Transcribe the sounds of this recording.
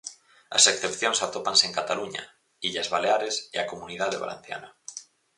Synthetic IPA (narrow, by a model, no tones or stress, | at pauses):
a̰sekθepθjoŋsat̪opanseːŋkat̪aluɲa̰ | iʎazβaleaɾeseakomuniðaðeβa̰lḛn̟θja̰na